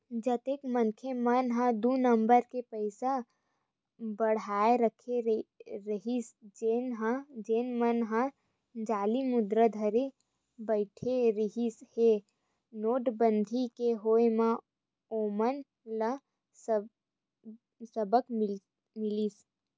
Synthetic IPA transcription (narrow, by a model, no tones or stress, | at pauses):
d͡ʒət̪eːkmənkʰemənɦə̃d̪unəmbəɾkepəɪsa | bəɽ̤aːeɾəkʰeɾəɦisd͡ʒeːnɦãd͡ʒeːnmənɦã | d͡ʒaːlimʊd̪ɾəd̪ʱəɾe | bəɪʈʰeɾəɦishe | noːʈbə̃nd̪ʱikeɦoːemã | oːmən | lə | s | səbək | mɪlis